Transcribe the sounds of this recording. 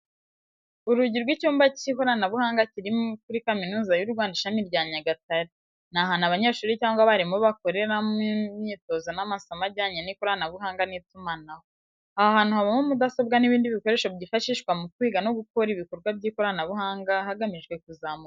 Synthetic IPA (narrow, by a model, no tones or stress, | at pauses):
uɾuɟiɾɡwicuːmbacikoɾanaβuhaːŋɡaciɾimokuɾikaminuːzajuɾɡwaːndiʃamiɾɟaːɲaɡataɾi | naɦanaβaɲeʃuːɾicaːŋɡwaβaɾimuβako̞ɾe̞ɾamimɲiːto̞zanamasamaɾɟaːɲenikuɾanaβuɦaːŋɡanitumanaho | ahaːn̥uhaβomomudaso̞bɡaniβiːndiβiko̞ɾe̞ʃobɟiːfaʃiːʃkwamukwiːɡano̞ɡuk̚oɾiβiko̞ɾɡwabɟiːkoɾanaβuɦaːŋɡahaɡamiʒɡwe̞k̚uzamua